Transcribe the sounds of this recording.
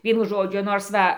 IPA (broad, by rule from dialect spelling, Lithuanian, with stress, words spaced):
ˈʋʲiɛnʊ ˈʒoːd͡ʒʲʊ ˈnoːrs ˈʋɐ